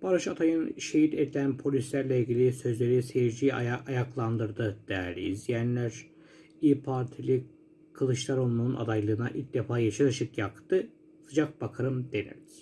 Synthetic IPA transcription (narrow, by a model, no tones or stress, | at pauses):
b̥aɾɯʃat̪ʰajɯnʃe̞ɦit̪ed̪ilʲænpʰo̞lʲislʲæɾlʲɛilʲɡɟilʲisø̞zlʲe̞ɾisejiɾd͡ʒijajaklˠand̪ɯɾd̪ɯd̪̥ɛɾlʲḭizjænlʲæɾ | ipʰaɾt̪ʰilʲi | kʰɯlˠɯʃlˠaɾo̞lˠmuːnʔa̰d̪ajlˠɯɯna̰ʔilʲc̚d̪efaːjaʃaɾɯʃɯkjakt̪ɯ | sɯd͡ʒak̚b̥akʰɯɾɯmd̪e̞nḭlʲiz̥